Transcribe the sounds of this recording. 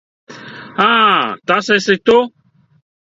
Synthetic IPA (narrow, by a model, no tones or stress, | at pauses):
hãt̪asɛset̪o